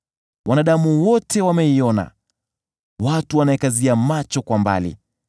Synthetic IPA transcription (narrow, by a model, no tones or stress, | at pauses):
wanaɗamuwɔtɛwamɛiɔna̰ | watuwanaɛkaziamat͡ʃɔkwamba̰lḭ